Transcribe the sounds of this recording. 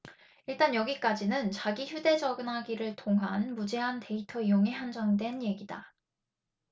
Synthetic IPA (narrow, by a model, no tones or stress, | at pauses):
iɭt͈anjʌɡik͈ad͡ʑinɯnt͡ɕaɡiçjude̞d͡ʑʌɡɯnɦaɡiɾɯɭtʰoŋɦanmud͡ʑe̞ɦantʰe̞itʰʌijoŋeɦand͡ʑʌŋdwe̞nje̞ɡida